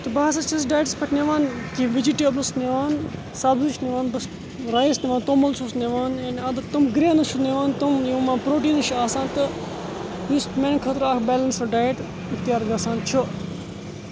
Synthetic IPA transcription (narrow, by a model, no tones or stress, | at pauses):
t̪ɐbaasɐt͡ʃʰɐs̬ɖaːjʈspʰɐʈʰneʋaːnkĩʋid͡ʒiʈeːblɐsneʋaːn | saːbzuʃneʋaːnbɐs | ɾaːisneʋaːnt̪oːmɐlsʰusneʋaːnenɐd̪ɐt̪umɡɾeːnɐt͡ʃʰuneʋaːnt̪umjemãːpɾoːʈiːnɐʃʰuaːsãːnt̪ɨ | jismẽːnkʰɐt̪ɾaːkʰbeːlɐnsɐɖaːjʈ | ikt̪ijaːɾɡaːsãːnt͡ʃʰu